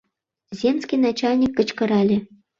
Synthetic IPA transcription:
zʲemsʲkʲinat͡ɕalʲnʲikːə̆t͡ɕkɤ̆ɾalʲe

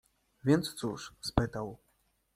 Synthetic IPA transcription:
vʲɛnt̪st̪suʂspɨt̪ɐw

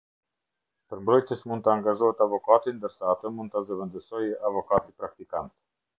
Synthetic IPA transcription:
pəɾmbɾɔjt̪ɛsmund̪t̪əaŋɡaʒɔhɛt̪avɔkat̪ind̪əɾsaːt̪əmund̪t̪azəvɛnd̪əsɔjavɔkat̪ipɾak̚t̪ikant̪

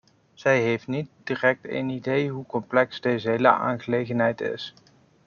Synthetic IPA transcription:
z̥ɛjɦejftnit̚d̥iːrɛk̚tḛnidejɦukɔmplɛksdejzəɦelə̰a̰ːnχəlejχənɦɛjtɪ̰s

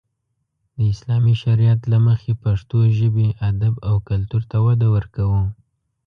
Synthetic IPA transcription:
d̪̥əɪslɑmiʃaɾijat̪laməxepaʂt̪oʒəbeʔad̪abawkalt̪uɾt̪awad̪awəɾkawu

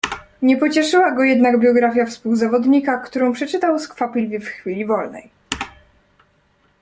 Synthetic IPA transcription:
ɲɛpɔt͡ɕɛʂɘwaɡɔjɛd̪naɡbʲjɔɡɾafʲjafspuwzavɔd̪ɲikakt̪uɾɔ̃w̃pʂɛt͡ʂɘt̪awskfapʲilʲvʲjifxfʲilʲivɔlnɛ̰j

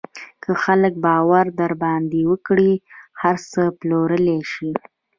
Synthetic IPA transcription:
kʰəxalək̚bɑwaɾd̪aɾbɑnd̪iwəkɽihaɾsəploɾəleʃi

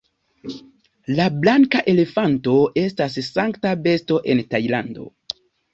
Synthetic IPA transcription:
lablaŋkaʔe̞le̞fanto̞e̞stassaŋktabe̞sto̞ʔe̞ntajlando̞̰

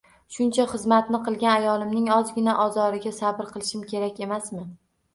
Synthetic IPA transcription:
ʃʊnt͡ʃʰaχɨzmat̪nɪqʰɨlˠɡʲanajɒlˠɪmnɪŋɒzɡʲɪnaʔɒzɒɾɪɡʲasabɪɾqʰɨlˠɪʃɪmkʲʰe̞ɾakʲe̞masmɪ

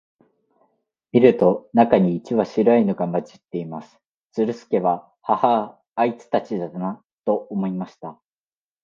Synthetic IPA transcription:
mʲiɾɯ̟t̪o̞nakaɲ̟iːt͡ɕiβaɕiɾainoɡamat͡ɕi̥t̪ːe̞imasɨ̥ | t͡sɨɾɯ̟sɨ̥ke̞βa | hahaː | it͡sɨ̥t̪at͡ɕid̪ad̪ana | t̪o̞omo̞imaɕi̥t̪a

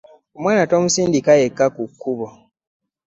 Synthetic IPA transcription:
omwaːnato̞ːmusiːndikajekːakukːuβo

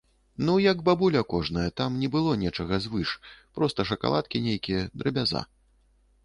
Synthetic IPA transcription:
nujɐɡbabulʲɐkɔʐnɐjɐt̪amnʲɛbɨlˠɔnʲɛt͡ʂɐɣɐzvɨʂpɾɔst̪ɐʂɐka̰lˠat̪̚kʲinʲejkʲijɛd̪ɾɐbʲaza̰

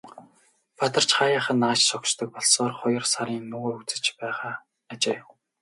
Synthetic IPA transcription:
pat̪ə̆r̥t͡ɕχajaːχə̆nːaːt͡ɕsɔkt͡ɕt̪ɞ̆k̚pɔɮsɔːrχɔjɞ̆rsaɾiːnːɵɣoːut͡sɘ̆t͡ɕpæːʁaː | t͡ɕeː

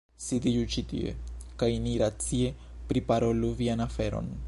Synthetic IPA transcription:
sid̪id͡ʒut͡ʃit̪ḭḛkajniɾat͡sie | pɾipaɾo̞luvianafe̞ɾo̞̰n

